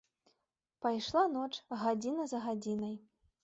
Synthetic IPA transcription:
pajʂlˠanɔt͡ʂɣad͡zʲinɐzɐɣad͡zʲinɐj

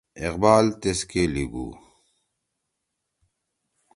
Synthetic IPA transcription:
ɪqbaːlt̪eskeliɡṵː

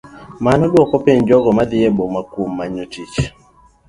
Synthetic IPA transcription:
manɔɗwɔkɔpeɲd͡ʒɔɡɔmad̪ɪjebomakwomːaɲotit͡ʃ

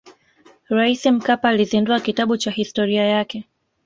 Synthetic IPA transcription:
ɾaisim̩kapaːlizinduakitaɓut͡ʃahistɔɾiajakɛ

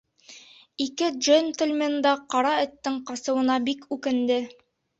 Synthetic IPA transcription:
ikɘʒonʲt̪ə̆lʲmend̪ɑqɑɾɑɘ̆t̪ːɘŋqɑsɤ̆wɤ̆nɑbikʉkɘ̆nd̪ɘ

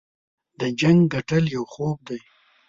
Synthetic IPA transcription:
d̪əd͡ʒaŋɡɡaʈəljawxob̚d̪aj

